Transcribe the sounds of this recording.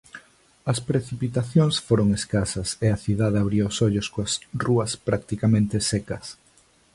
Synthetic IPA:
ɐspɾeθipit̪aθjoŋsfoɾoŋeskasɐseɐθiðaðeaβɾiʊsɔʎʊskoɐsruɐspɾak̚t̪ikamẽnt̪esekɐs

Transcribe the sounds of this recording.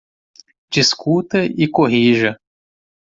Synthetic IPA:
d͡ʒiskut̪ɐʔɪkoɦiʒɐ

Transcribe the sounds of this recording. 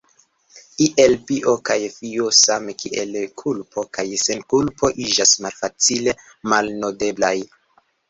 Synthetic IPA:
kiʔe̞lbiʔo̞kajfiosamekiʔelkʰulpʰo̞kajsenkulpo̞ʔid͡ʒasmalfat͡sile̞ | malnode̞blaj

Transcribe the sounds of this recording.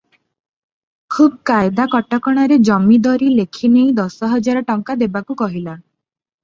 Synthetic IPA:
kʰubkajd̪akɔʈɔkɔɽ̃aɾed͡ʒɔmid̪ɔɾilekʰineĩd̪ɔsɔɦɔd͡ʒaɾɔʈɔŋkad̪ebakukɔɦila

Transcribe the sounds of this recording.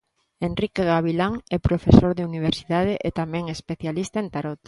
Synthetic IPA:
enrikeɣaβilaŋɛpɾofesoɾðeuniβ̞eɾsiðaðeʔet̪amɛ̃ŋespeθjalist̪aent̪aɾot̪

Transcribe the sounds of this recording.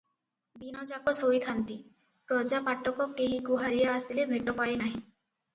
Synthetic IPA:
binɔd͡ʒakɔsojt̪ʰant̪i | pɾɔd͡ʒapaʈʰːɔkɔkeɦikuɦaɾijaːst̪ilebʱeʈɔpaenaɦĩ

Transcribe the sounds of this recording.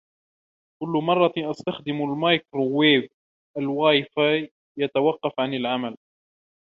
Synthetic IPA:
kʊlːmɑrˤːɑʔast̪axd̪ɪmʊlmajkɾˤʊwːeːv | ʔalwaːjfa | jat̪awɑqːɑfʕanɪlʕamal

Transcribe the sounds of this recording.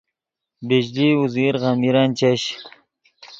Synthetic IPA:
bed͡ʑliuziɾɣamiɾant͡ɕeɕ

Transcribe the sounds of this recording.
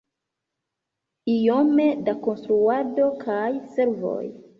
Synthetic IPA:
ijo̞me̞dako̞nst̪ɾuado̞kʰajse̞ɾvo̞̰j

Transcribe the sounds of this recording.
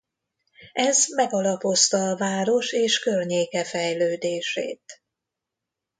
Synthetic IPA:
ɛzmɛɡɒlɒpo̞st̪ɒːvaːɾo̞ʃeːʃkørɲeːkɛfɛjløːd̪eːʃḛːt̪

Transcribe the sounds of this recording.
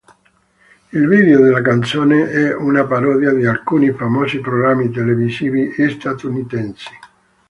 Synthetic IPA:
ilviːðeod̪elːak̬ant̪soːneʔɛunapaɾɔːd̪jad̪ialkuːnifamɔːsipɾoɣɾamːit̪̬elevisiːviest̪at̪unit̪ɛnsi̥

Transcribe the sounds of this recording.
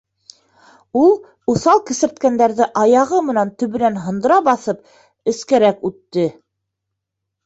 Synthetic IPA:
ulˠ | uθɑlˠkɘ̆sɘ̆ɾt̪kænd̪æɾðɘʔɑjɑʁɤmɤ̆nænt̪ɵ̆βɘ̆nænɦɤ̆nd̪ɤ̆ɾɑbɑθɤp̚ | ɘ̆skæɾækʉt̪ːɘ

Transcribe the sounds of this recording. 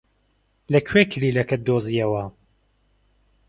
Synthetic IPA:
lɐkʰwekʰɨliːlɐkɐd̪oːzijɐwɐ

